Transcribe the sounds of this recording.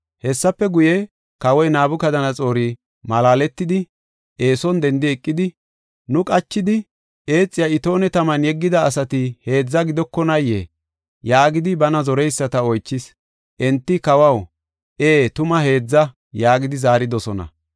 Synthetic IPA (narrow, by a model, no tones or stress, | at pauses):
hɛsːɐpːɛɡʊjɛ | kɐwɔjnaːbʊkɐd̪ɐnɐt͡sʼo̞ːɾi | mɐlaːlɛt̪ːɪd̪ɪ | ʔeːsɔnd̪ɛnd̪ɪɛkʼːɪd̪ɪ | nʊkʼɐt͡ʃːɪd̪ɪ | e̞ːt͡sʼːɪjɐɪt̪o̞ːnɛt̪ɐmɐnjɛɡːɪd̪ɐːsɐt̪ɪhe̞ːd͡zːɐɡɪd̪ɔkːɔnɐjːe | jaːɡɪd̪ɪbɐnɐzɔɾɛjsːɐt̪ɐɔjt͡ʃːɪs | ʔɛnt̪ːɪkɐwɐw | ʔeːt̪ʊmɐɦe̞ːd͡zːɐ | jaːɡɪd̪ɪzaːɾɪd̪ɔsɔnɐ̰